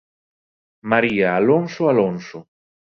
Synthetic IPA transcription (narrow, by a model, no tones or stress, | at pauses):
maɾiaːlonsoalonso